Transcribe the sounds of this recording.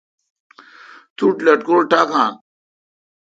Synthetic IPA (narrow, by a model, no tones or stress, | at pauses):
t̪uʈlɐʈ̚ɡoɾʈakaːn